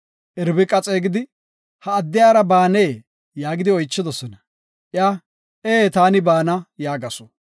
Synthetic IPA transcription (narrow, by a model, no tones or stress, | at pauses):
ʔɛɾbɪkʼɐt͡sʼeːɡɪd̪ɪ | hɐːd̪ːɪjaːɾɐbaːneː | jaːɡɪd̪ɪɔjt͡ʃːɪd̪ɔsɔnɐ | ʔɪjaː | ʔeːt̪aːnɪbaːnɐjaːɡɐsɔ̥